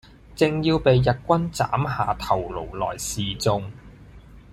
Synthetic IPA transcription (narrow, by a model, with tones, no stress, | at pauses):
t͡sɪ˨ŋjiː˧wpe˨˧jːɐ˨t̚kʷɐ˥nt͡sa̰ː˨˥mɦaː˨t̪ʰɐ˨˩wlo̰˨˩wlɔ̰ː˨˩jsiː˨t͡sʊ˧ŋ